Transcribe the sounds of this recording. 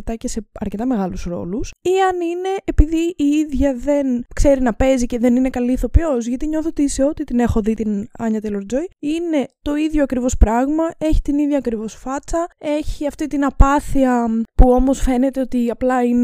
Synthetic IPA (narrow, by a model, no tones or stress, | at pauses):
t̪ɐce̞se̞ɐɾcet̪ɐme̞ɣɐlusɾo̞̰lusiɐnine̞ʔːpiðiʔiiðʝɐðe̞nkse̞ɾinɐpe̞zice̞ðe̞nine̞kɐliθo̞pjo̞zʝɐt̪iɲo̞θot̪iseo̞t̪it̪ine̞xo̞ðit̪inɐɲɐt̪eloɾd͡zo̞jine̞t̪o̞iðʝoɐkɾivo̞spɾɐɣmɐe̞çi̥t̪iniðʝɐːkɾivo̞sfɐt͡sɐe̞çiɐft̪it̪inɐpɐθiɐpuo̞mo̞sfe̞ne̞t̪e̞o̞t̪iɐplɐin